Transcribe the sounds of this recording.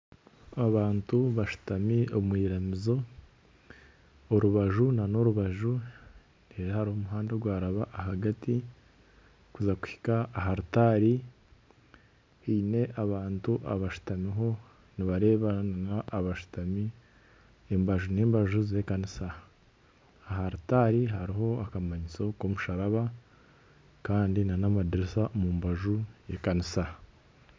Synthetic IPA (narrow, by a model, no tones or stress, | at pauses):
aβaːntuβaʃu̥tamiomwiːɾamizo̞ | oɾuβaʒunano̞ɾuβaʒu | neɾehaɾihomuɦaːndeɡwaːɾaβaʔːɦaɡati | kuzaku̥hi̥kaːɦaɾutaɾi | hiːne̞ʔaβaːntuʔa̰βaʃu̥tamiɦo̞ | niβaɾe̞ːβananaːβaʃu̥tami | embaʒuneːmbaʒuze̞kanisa | ɦaɾutaɾiɦaɾiɦo̞akamaɲit͡so̞ko̞muʃaɾaβa | kaːndinanamadiɾisamumbaʒujekanisa